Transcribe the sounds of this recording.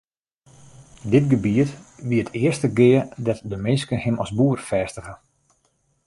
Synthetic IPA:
dɪtɡəbiətʋiətʰɪərstəɡɪədɔtdəmɪnskəhɪmʔɔsbuərfɛːstəχə

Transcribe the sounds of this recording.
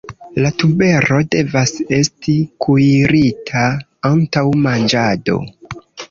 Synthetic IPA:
latube̞ɾo̞de̞vase̞stikʰuiɾitʰa | antawmand͡ʒado̞̰

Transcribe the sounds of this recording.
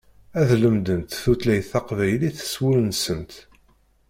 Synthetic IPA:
æðləmd̪ənt̪θut̪læjθɑqvæjliθə̥swʊɾənsənt̪

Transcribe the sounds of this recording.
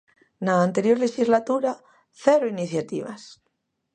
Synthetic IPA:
naːnt̪e̞ɾjo̞ɾleʃizlat̪uɾa | θeɾoiniθjat̪ḭβa̰s

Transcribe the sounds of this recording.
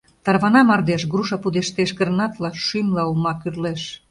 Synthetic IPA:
t̪ɑrβɑnɑmɑrd̪eʃ̬ɡɾuʃɑpud̪eʃt̪eʃɡərnɑt̪lɑʃymlɑumɑkyrleʃ

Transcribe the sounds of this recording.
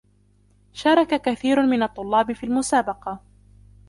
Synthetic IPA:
ʃɑːɾˤɑkakaθiːɾʊmɪnɑt̪ˤːʊlːɑːbɪfiːlmʊsaːbɑqɑ

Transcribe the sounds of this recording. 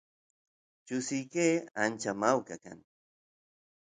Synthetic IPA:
t͡ʃʊsɪjkeːant͡ʃamawkaka̰ŋ

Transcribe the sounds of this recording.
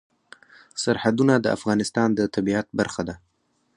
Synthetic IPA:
saɾhad̪unad̪əa̰fɣɑnɪst̪ɑnd̪ət̪abiat̪̚baɾxad̪a

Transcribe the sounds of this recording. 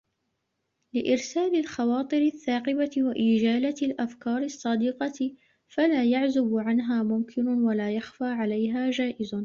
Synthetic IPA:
lɪʔɪɾsaːlɪlxɑwɑːt̪ˤɨɾɪθːaːqɪbawaʔɪːd͡ʒaːlalʔafkɑːɾˤɪɑsˤːɑd̪iqɑ | falaːjaʕzʊbʕanɦaːmʊmkʰɪnʊwalaːjaxfaːʕalajɦaːd͡ʒaːʔɪz

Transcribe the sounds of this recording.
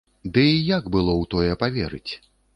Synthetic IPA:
d̪ɨjaɡbɨlˠɔwt̪ɔjɛpavʲɛɾɨt͡sʲ

